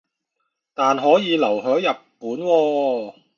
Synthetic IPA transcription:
t̪aː˨nɦɔː˨˥jiː˨˧lɐ˨˩wɦœː˨˥ŋjɐ˨pːuː˨˥nwɔː˧

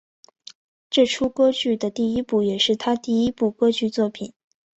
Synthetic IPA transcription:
ʈ͡ʂɤ˥˩ʈ͡ʂʰu˥kɤ˥t͡ɕy˥˩d̪ə˩t̪i˥˩i˥pu˥˩jɛ˨˩ʂɻ̩˥˩t̪ʰa˥t̪i˥˩i˥pu˥˩kɤ˥t͡ɕy˥˧t͡swɔ˥˩pʰi˨˩˦n

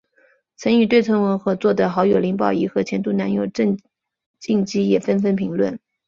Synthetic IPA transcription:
t͡sʰə˧˥ny˨˩t̪we˥˩ɪt͡sʰə˧˥nwə˧˥ŋxɤ˧˥t͡swɔ˥˩d̪ə˩xɑ˧˥ʊjo˨˩ʊli˧˥ŋpɑ˨˩ʊi˧˥˩xɤ˧˥t͡ɕʰjɛ˧˥nt̪u˥˩na˧˥njo˨˩ʊə˥˧ŋ | t͡ɕi˥˩ŋt͡ɕi˥jɛ˨˩fə˥nfə˥npʰi˧˥ŋlwə̰˥˩n

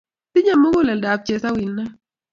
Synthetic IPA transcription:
tɪ˦ɲa˨mɔ˦ɡo˦lɛ˨lda˨p̚t͡ʃɛ˨sa˦wi˨lna˦

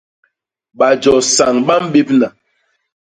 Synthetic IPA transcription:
ɓa˨d͡ʒɔ˨sa˨ŋɓa˦m˦ɓe˦p̚na˨

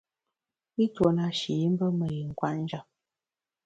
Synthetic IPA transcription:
i˦two˨na˨ʃi˨ji˦m̩˦bə˦mə˨ji˨ŋ̩˨kwa˦ʔn̩˦d͡ʒa˨

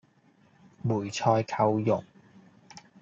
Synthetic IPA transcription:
muː˨˩jt͡sʰɔː˧jkʰɐ˧wjʊ̰˨˩ŋ

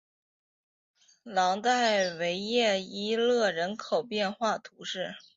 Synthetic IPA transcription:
lɑ˧˥ŋt̪a˥˩ɪwe˧˥ɪjɛ˥˩i˥lɤ˥˩ɻə˧˥nkʰo˨˩ʊpjɛ˥˧nxwa˥˩t̪ʰu˧˥ʂɻ̩˥˩

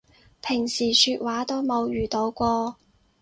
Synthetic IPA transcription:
pʰɪ˨˩ŋsiː˨˩syː˧t̚waː˨˥t̪o˥wmo˨˧wjyː˨˩t̪o˨˧˥wkʷɔː˧

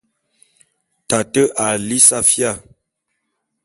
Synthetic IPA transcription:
ta˨tə˦ʔa˨li˦sa˦fja˦˨

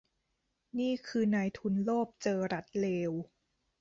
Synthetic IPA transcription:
niː˥˩kʰɯː˧naː˧jt̪ʰu˧nloː˥˩p̚t͡ɕɤː˧ɾa˦˥t̪̚leː˧w

